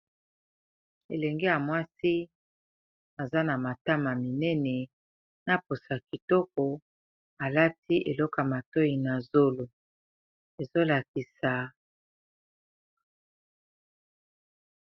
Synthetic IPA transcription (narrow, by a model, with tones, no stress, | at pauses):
ḛ˨lɛ˨ŋɡe˦ja˨mwa˦si˦ | a˨za˦na˨ma˨ta˦ma˨mi˨nɛ˦nɛ˨ | na˦po˨sa˨ki˨tɔ˦kɔ˨ | a˨la˦ti˦ʔe˨lɔ˦ka˨ma˨to˦i˨na˨zo˦lo˨ | e˨zo˦la˨ki˨sa˨